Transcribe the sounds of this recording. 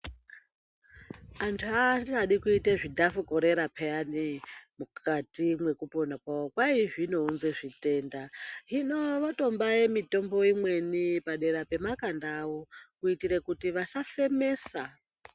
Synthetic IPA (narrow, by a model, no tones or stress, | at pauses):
antʰuaaɗikuiteʐidʱafuko̞ɾe̞ɾapʰeanimukʰatimwe̞kuponakwaokwaiʐino̞unzeʐite̞ːndaɦino̞ʋato̞mbaje̞mito̞mbo̞imwe̞nipaɗe̞ɾape̞makandːʋo̞kuitiɾekutiʋasafe̞me̞ːsa